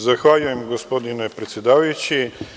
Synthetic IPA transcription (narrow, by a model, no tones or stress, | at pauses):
zaxvalʲɛmɡospɔd̪inɛpɾɛt̪sɛd̪avɐjt͡ʃi